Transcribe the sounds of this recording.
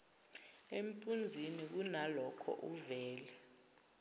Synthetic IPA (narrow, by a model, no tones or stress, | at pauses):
em̩pʼund͡zʱinik̬unalɔkʰɔ̰ʔuvɛːlɛ